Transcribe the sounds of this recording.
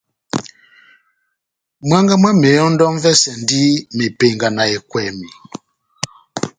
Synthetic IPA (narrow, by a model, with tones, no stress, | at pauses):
mwa˦ŋɡa˦ma˦mɛ˨ɔ˦ndɔ˦m˦vɛ˦sɛ˨ndi˦me˨pe˨ŋɡa˨na˨e˨kwɛ˨mi˨